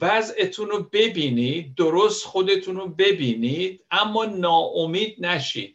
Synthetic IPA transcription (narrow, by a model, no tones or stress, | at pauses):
væzet̪ʰunobe̞biːnid̪̚ːoɾost̪xo̞d̪e̞t̪ʰunobe̞biːniːd̪̥̚æmːɒːnɒːʔomiːd̪̚næʃḭːd̪̥